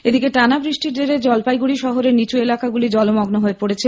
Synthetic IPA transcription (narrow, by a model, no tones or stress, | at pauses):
ed̪ikeʈanabɾiʃʈiɾd̪eɾed͡ʑɔlpajɡuɽiʃɔɦoɾeɾnit͡ɕuelakaɡulid͡ʑɔlomɔɡnoɦoepoɽet͡ɕʰe